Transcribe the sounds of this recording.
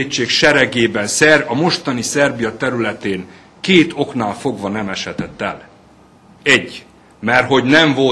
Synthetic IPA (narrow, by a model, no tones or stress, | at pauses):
t͡ʃːeːkʃɛɾɛɡeːbɛnsɛrɒmo̞ʃt̪ɒnisɛrbijɒt̪ɛɾylɛt̪eːn | keːt̪o̞knaːlfo̞ɡvɒnɛmɛʃɛt̪ɛt̪ːɛ̰l | ɛɟː | mɛrɦo̞ɟnɛɱvo̞